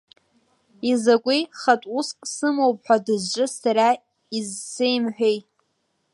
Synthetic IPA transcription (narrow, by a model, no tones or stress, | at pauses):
izakʷʼiχatʷʼuskʼsɨmowp̚ʼħʷᶣadɨzt͡ʃʷʼɨsaɾa | izːejmħʷᶣejtʼ